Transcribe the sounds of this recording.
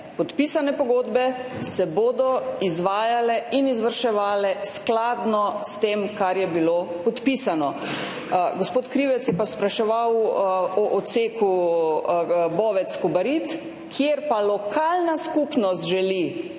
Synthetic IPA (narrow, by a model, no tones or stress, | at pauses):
pɔt̪pisanɛpɔɡoːd̪bɛsɛboːd̪ɔizʋaːjalɛinizʋəɾʃɛʋaːlɛsklaːd̪nɔst̪eːmkaɾjɛbilopɔt̪piːsanɔ | ɡospoːt̪kɾiʋɛt̪sjɛpaspɾaʃɛʋawɔʔɔseːku | bɔːʋɛt̪skɔbaɾit̪ | kʰjeɾpalɔkaːlnaskupnɔst̪ʒɛli